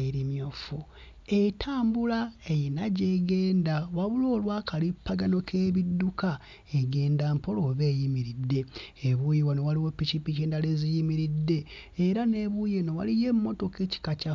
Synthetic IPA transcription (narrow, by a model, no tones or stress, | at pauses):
iɾimjofu | etʰaːmbulaejinaɟe̞ɡe̞ːndawaβulo̞ːlwaːkalipːaɡano̞kʰe̞ːβidːuka | eɡe̞ːndaːmpo̞loβe̞ːjimiɾidːe̞ːβujewonowaliwepːicipːiceːndalezijimiɾidːe̞ːɾane̞βujenowa̰lije̞mmːo̞to̞keci̥kaca